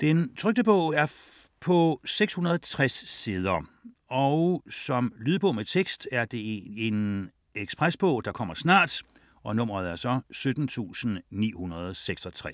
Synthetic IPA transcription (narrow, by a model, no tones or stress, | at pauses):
d̥ent͡sʰʁœɡ̚d̥əb̥ɔʊ̰æɐpʰɒ̽seɡ̥shunɐð̞ˠt͡sʰʁasːeð̞ˠɐ | ɒʊsɒ̽mlyðˠb̥ɔʊ̰met͡sʰeɡ̥sd̥æɐd̥e̝e̝n | eɡ̥spʁasb̥ɔ̽ʊd̥ɑ̈kʰɒ̽m̰ɐsnɑ̰̈ːd̥ | ɒ̽nɔ̽m̰ɐð̞̩ˠæɐsɒ̽sød̥n̩t͡sʰṵːsn̩nḭːhunɐð̞ˠseɡ̥sɒ̽t͡sʰʁɛ